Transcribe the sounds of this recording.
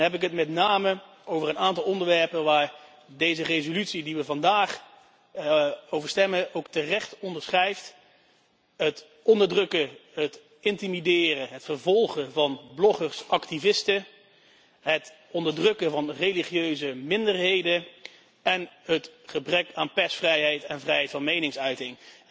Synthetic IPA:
nɦɛp̬ɪkɦətmɛtnaːmə | ʔowvərənaːntɑlˠɔndəɹʋɛɹpənʋaːɹ | dejzərejzolytsidiʋəvɑndaːχ | owvəɹstɛməʔowktərɛχtɔndəɹsχrɛjft | ɦət | ɔndəɹdrɵkəɦət | ɪntimidɪːrəɦətfəɹvɔlˠχəvɑnblɔχəɹsʔɑktivɪstə | ɦət | ɔndəɹdrɵkəvɑnrejliχjøɥzəmɪndəɹɦejdə | ɛnɦətχəbrɛkaːnpɛsfrɛjɦɛjtɛnvrɛjɦɛjtfɑnmejnɪŋsœɥtɪŋ

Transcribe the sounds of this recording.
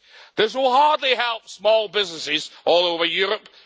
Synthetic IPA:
ðɪs̬wɪlˠhɑɹdˡliɦɛlˠp̚smɔːlˠbɪznəsɪzʔɔlˠoʊvə˞jɔːɹəp

